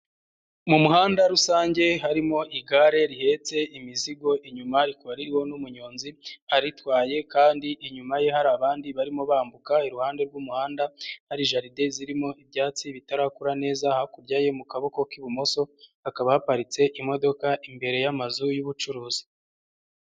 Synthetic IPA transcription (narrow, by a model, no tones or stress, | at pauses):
mumuɦhaːndaɾusaːɲɟe̞ɦaɾimo̞ʔiɡaɾe̞ɾihe̞t͡se̞imiziɡo̞ʔiɲumaɾikaɾiɾiwo̞numuɲo̞ːnziaɾitwaːje̞kaːndiʔiɲumajeɦaɾaβaːndiβaɾimo̞βaːmbukaiɾuhaːnde̞ɾɡwumuhaːndahaɾiʒaɾideziɾimo̞ibɟaːt͡siβitaɾakuɾane̞ːzahakuɾɟaːje̞mukaβo̞ko̞kiβumo̞so̞akaβahapaɾit͡se̞ʔimo̞do̞kaʔimbe̞ɾe̞jamazujuβut͡ʃuɾuːzi̥